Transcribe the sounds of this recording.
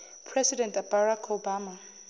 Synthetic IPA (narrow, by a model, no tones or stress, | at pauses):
pʰrɛsidɛ̃ntbaɾakʰobaːma